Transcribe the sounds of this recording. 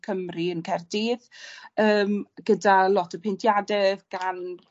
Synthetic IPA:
kʰəmriənkʰɛrdiːðəːmɡədalˠɔtʰəpʰentʰjadɛɡ̥an

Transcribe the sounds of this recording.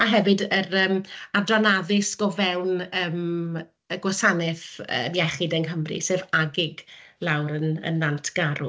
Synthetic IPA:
aɦɛvɨdəɾəːmadranaðɪsɡ̥ɔvɛwnəːm | əɡwasanɪθə̰ːmjɛχɪdɛnɦəmrḭseːvaɡɪɡlˠawɾənə̰nːantʰɡ̥aɾṵ

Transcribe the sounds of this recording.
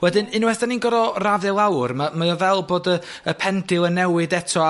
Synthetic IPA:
wɛdɪnɪnwɛsd̥aninɡɔɾɔravɛlˠawrmamajɔvɛlˠboːdə | əpʰɛndɪlˠənɛwɨdɛtʰɔ

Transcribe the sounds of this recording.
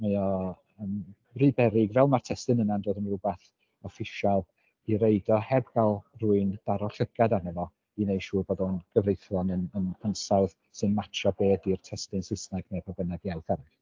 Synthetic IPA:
majɔ | əm | ribɛɾɪɡvɛlˠmartʰɛstɨnənandoːdənrʊbaθ | ɔfɪʃalˠ | iɾejdɔhɛbɡalˠruɨnd̥aɾɔɬəɡ̥adanɛvɔ | inejʃuːboːdɔnɡ̥əvrejθɔnənənənsawð | sɨnmatʰrɔbeːdirtʰɛstɨnsɪsnaɡnepʰabənaɡiawθaɾɛ

